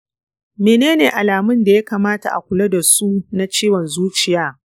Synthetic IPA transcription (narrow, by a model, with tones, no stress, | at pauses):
meː˨neː˦neː˨ʔa˨laː˨mʊ˦nda˨ja˦kaː˨maː˦ta̰˨ʔa̰˨kʷʊ˨lɐ˦da˨su˦na˦t͡ʃiː˦wɔ˨nzuː˦t͡ʃɪ˨jaː˦